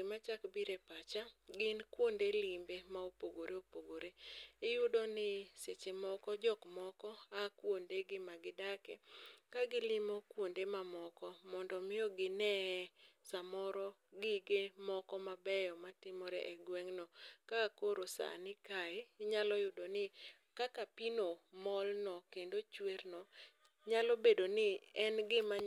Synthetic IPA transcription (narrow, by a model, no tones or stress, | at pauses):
mat͡ʃakbiɾepat͡ʃaɡɪnkwondelimbemaopoɡoɾeopoɡoɾeɪjʊdonɪset͡ʃemɔkɔd͡ʒɔkmɔkɔakwondeɡɪmaɡɪdakɛ̰kaɡɪlɪmɔkwondemamɔkɔmɔndɔmɪɔɡɪnɛsamɔɾɔɡɪɡemɔkɔmabɛjɔmatɪmɔɾɛ̰ʔɛɡwɛŋnɔkakoɾosa̰nɪkaeɲalɔjʊdonɪ | kakapinomɔlnɔkendot͡ʃweɾnɔ | ɲalɔbedonɪɛnɡɪma